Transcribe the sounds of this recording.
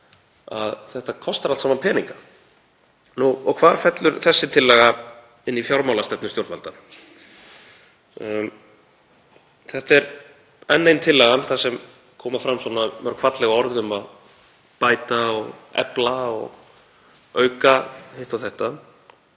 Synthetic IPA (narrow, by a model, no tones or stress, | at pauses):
aðθɛht̪akʰɔst̪aɾalt̪saːmanpʰɛːniŋkḁ | nuɔkʰvaːɾ̥fɛt̪lʏɾ̥θɛsːɪt̪ʰɪlːɛɣa | ɪnːifjawɾmawlast̪ɛpnʏst̪jowɾt̪valt̪a | θɛht̪ɛɾ | ɛnːejnt̪ʰɪlːɛːɣanθasɛm | kʰɔːmafɾamːswɔnamœɾ̥kʰfat̪lɛɣaɔɾðʏmað | paːjt̪aɔɣɛ̰plaɔ̰ɣ | œːɥkahejht̪awθɛht̪a